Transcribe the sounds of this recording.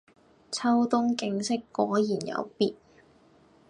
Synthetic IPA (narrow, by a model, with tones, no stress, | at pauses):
t͡sʰɐ˥wt̪ʊ˥ŋkɪ˧ŋsɪ˥kːɔː˨˥jiː˨˩njɐ̰˨˧˥wpiː˨t̚